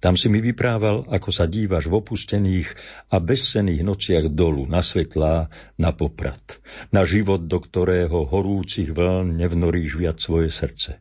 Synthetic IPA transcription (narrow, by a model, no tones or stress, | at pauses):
t̪amsimiʋipɾaːʋalakɔsaɟiːʋaʒvɔpuscɛniːɣabɛsːɛniːɣnɔt͡sɪaɣd̪ɔlunasʋɛt̪laːnapɔpɾa̰t̪naʒiʋɔd̪̚d̪ɔkt̪ɔɾɛːɦɔɦɔɾuːt͡siɣʋl̩nɲɛvnɔɾiːʒʋɪat͡ssʋɔjɛsr̩t͡sɛ